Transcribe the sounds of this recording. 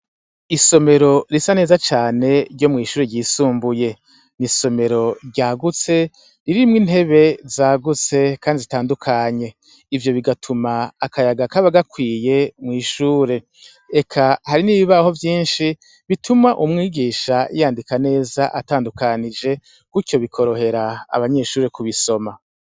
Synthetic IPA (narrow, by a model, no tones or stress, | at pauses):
iso̞me̞ɾo̞ɾisane̞ːzat͡ʃaːne̞ɾɟo̞mŋiːʃuːɾeɟiːsuːmbuje̞ | niso̞me̞ɾo̞ɾɟaːɡut͡se̞ | ɾiɾimŋinɦe̞βe̞zaːɡut͡se̞kʰaːndizitaːndukʰaɲe̞ | ivjo̞βiɡatʰumaːkʰajaɡakaβaɡakwiːje̞mŋiːʃuːɾe̞ | ekʰahaɾiniːβiβaho̞vjiːnʃi | βitʰumaʔumŋiːɡiːʃajaːndikane̞ːzaʔataːndukanid͡ʒe̞ | kuco̞βikʰo̞ɾo̞he̞ɾaa̰βaɲe̞ʃuːɾe̞kuβiso̞ma